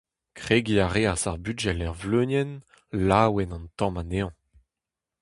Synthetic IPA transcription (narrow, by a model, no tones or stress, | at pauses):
kχeɡiaʁeasaʁbyʒɛlɛʁvlønjɛn | laːwɛnɑ̃nt̪ɑ̃maneːɑ̃